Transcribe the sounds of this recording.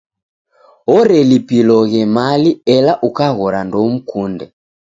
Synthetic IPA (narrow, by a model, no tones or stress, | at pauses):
ɔɾɛlipilɔɣɛmaliɛlaʔukaɣɔɾandɔm̩kʰundɛ̰